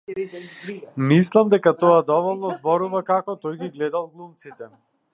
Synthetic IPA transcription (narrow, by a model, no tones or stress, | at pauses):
mislˠamd̪ɛkat̪ɔad̪ɔvɔlˠnɔzbɔɾuvakakɔt̪ɔjɡiɡlɛd̪alˠɡlˠumt̪sit̪ɛ